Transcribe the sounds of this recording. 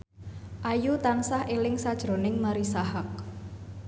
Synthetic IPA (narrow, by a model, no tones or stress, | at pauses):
ʔajut̪ansahelɪŋsad̥ʒ̥ɾo̤nɪŋmaɾisaɦak̚